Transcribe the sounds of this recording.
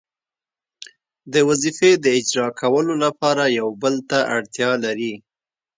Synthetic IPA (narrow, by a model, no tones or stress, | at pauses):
d̪əwazifed̪əɪd͡ʒɾɑkʰawəlolapɑɾajawbəlt̪aʔaɽt̪jɑlaɾi